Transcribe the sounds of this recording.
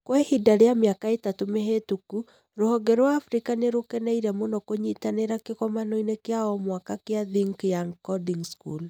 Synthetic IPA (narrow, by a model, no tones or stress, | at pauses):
kwɛhidaɾeamjakaetatomeɦetuku | ɾohɔɡɛɾowaːfɾikaneɾokɛnɛiɾɛmonɔkoɲitaneɾakekɔmanoinekeaɔmwakakeaðiŋkjaŋkɔdiŋskul